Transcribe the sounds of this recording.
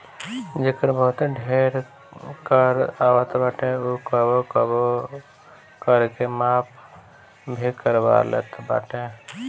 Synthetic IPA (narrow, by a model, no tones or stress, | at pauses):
d͡ʒɪkəɾbəɦʊt̪ɖʱeːɾ | kəɾaːʋat̪baːʈẽukəbokəbo | kəɾkemaːp̚ʰ | bʱikəɾba̰lḛːt̪ba̰ːʈẽ